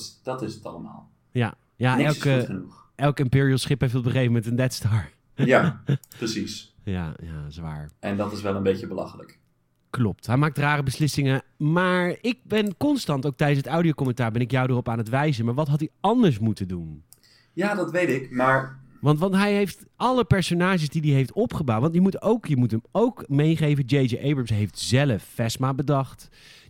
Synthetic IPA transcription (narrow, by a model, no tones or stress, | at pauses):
d̥ɑtɪsətɑ̰ləma̰ːlˠ | ja̰ | janɪɛlkəχənuχ | ʔɛlˠkɪmpɪːɹiəlˠsχɪpɛeftɔbəχejvəmɛntəndɛtstɔɹ | japrəsis | ja̰ːja̰sʋa̰ːɹʔɛndɑtɪsʋɛlˠənbejcəbəlɑ̰χələ̰k | klɔp̚tɦɛjmaːk̚traːrəbəslɪsɪŋəmaːɹɪk̚bɛnkɔnstɑntowk̚tɛjdənsətawdiowkɔmɛntaːɹbɛnɪkjɑwdərɔpaːnətʋɛjzənmaːɹʋɑtɦɑtiɑndəɹs̬mutəndun | jaːdɑtʋejtɪkmaːɹʋɑntʋɑntɦɛjɦejftɑləpɛɹsonaːʒəsdidiɦejftɔpχəbawtʋɑntjəmutowkjəmutəmowkmejχejvəd͡ʒejd͡ʒəʔejbɹəmsɦejftz̥ɛləfːɛsmaːbədɑχt